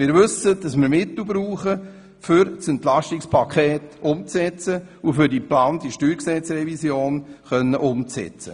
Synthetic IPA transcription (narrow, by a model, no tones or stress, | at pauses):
mɪːɾʋɵsədɑsmɪːɾmɪt̪l̩bɾuːχə | fʏɾsɛnt̪lɑʃtikspʰɑkχeːtʊmt͡sɛt͡sə | ufʏɾdiplɑːntiʃtyːɾksɛt͡srɛvisjoːnχœnːəʔʊmt͡sɛ̰t͡sə̰